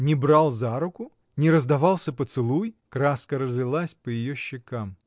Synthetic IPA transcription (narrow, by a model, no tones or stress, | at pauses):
nʲɪbɾalˠzaɾʊkʊ | nʲɪɾəzd̪ɐvɑlˠsʲəpət̪sɨlˠujkɾaskəɾəzvʲɪlˠasʲpəjɪjoɕːɪkam